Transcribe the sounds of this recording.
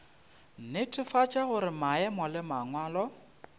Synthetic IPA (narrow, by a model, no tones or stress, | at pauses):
n̩nɪtʰʼɪfat͡ʃʼaɣʊɾɪmaɛmɔlɪmaŋwaːlɔ